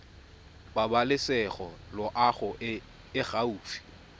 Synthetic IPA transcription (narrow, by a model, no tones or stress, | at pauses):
babalɪsɛχɔlɔʔaχʊ | ɪɣauːfi̥